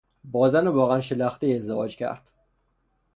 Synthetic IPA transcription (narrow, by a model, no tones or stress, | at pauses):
bɒzanɪbɒʁanʃɪlaχt̪ɪezd̪ɪvɒ̰d͡ʒkʲʰa̰ɾt̪